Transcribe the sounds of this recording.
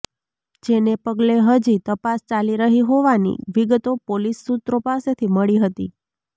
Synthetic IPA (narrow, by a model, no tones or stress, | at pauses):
d͡ʒenepəɡleɦəd͡ʒit̪əpast͡ʃaliɾəɦiɦoʋanḭʋiɡt̪opolisːut̪ɾopaset̪ʰiməɭiɦət̪ḭ